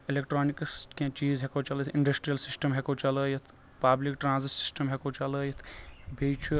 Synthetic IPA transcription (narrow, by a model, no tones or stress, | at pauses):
ilekʈɾoːnikskẽt͡ʃiːzɦekot͡ʃɐlət̪ʰiɳɖɐsʈɾijɐlsisʈəmɦekot͡ʃɐləjɐt̪ʰ | paːblikʈɾãːnzissi̥sʈəmɦekot͡ʃɐləjɐt̪ʰbʱet͡ʃʰu